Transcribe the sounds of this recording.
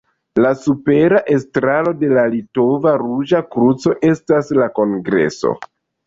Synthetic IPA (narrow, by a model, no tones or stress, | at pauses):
lasupe̞ɾaʔe̞stɾalo̞de̞lalito̞vaɾud͡ʒakɾut͡so̞ʔe̞staslako̞ŋɡɾe̞̰so̞̰